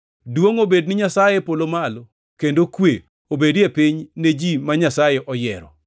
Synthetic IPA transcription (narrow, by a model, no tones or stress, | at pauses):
dwoŋobednɪɲasajepolomalo | kendokwe | obedepiɲned͡ʒimaɲasajeʔɔjɛɾɔ